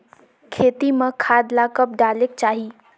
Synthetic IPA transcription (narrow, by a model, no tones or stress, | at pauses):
kʰeːt̪iməkʰaːd̪lakəp̚ɖaːlek̚t͡ʃaːɦi